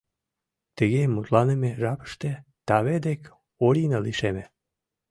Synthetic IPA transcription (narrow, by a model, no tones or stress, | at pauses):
t̪ə̆ɣemːut̪lɑnemeʒɑpə̥ʃt̪et̪ɑβed̪ek | oɾʲinəliʃeme